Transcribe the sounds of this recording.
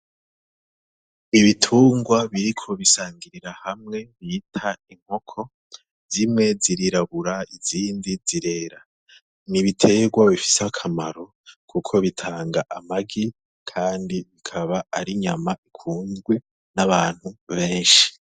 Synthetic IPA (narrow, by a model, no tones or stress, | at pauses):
niβitʰuːŋɡwaβiɾikʰo̞βisaːŋɡiɾiɾahamŋe̞βiːtʰaiŋ̥ho̞kʰo̞ | zimŋe̞ziɾiɾaβuɾaiziːndiziɾe̞ːɾa | niβitʰe̞ɡwaβifi̥seakʰamaɾo̞ | kʰukʰo̞βitʰaːŋɡaʔamaɡi | kʰaːndiβikʰaβaaɾiɲamaikʰuːnzɡwe̞ | naβaːn̥huβe̞ːnʃi̥